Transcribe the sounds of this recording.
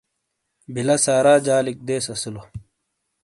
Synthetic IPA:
bilɐsaːɾaːd͡ʑaːlik̚d̪eːsɐsilo

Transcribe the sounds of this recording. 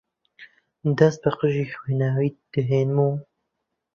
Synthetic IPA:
d̪ɐst̪̚bəqəʒiːxweːnaːwiːd̪̥ɨɦeːnmu

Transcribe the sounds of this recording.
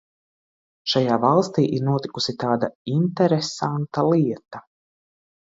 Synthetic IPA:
ʃajaːvalˠst̪ḭːʔiɾnuɔt̪i̥kusit̪aːd̪aint̪ɛɾesant̪alˠiɛt̪a

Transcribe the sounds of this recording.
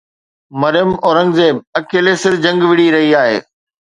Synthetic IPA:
mɐɾjəmɔːɾə̃ŋɡzeːbɐkeːlesɪɾd͡ʑɐ̃ŋɡʋɪɽ̤iɾɐɦiaːɦḛː

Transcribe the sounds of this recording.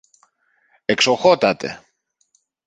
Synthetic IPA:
ekso̞xo̞t̪ɐt̪e̞̰

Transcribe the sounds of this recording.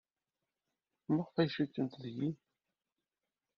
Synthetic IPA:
məʁfæjʃit̪ːənt̪ðji

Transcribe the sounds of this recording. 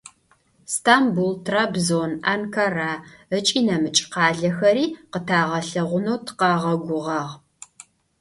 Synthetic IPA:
stʰaːmbultʰraːbzonankʰaraət͡ʃʼiːnɐmɨt͡ʃʼqɑːɮɐxɐɾiːqətʰaːʁɐɬɐʁʷʊnowtʰqɑːʁɐɡʷʊʁɑʁ

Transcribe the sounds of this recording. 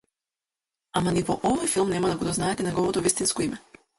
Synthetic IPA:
amanivɔʔɔvɔjfilˠmnɛmad̪aɡɔd̪ɔznaɛt̪ɛnɛɡɔvɔt̪ɔvist̪inskɔimɛ

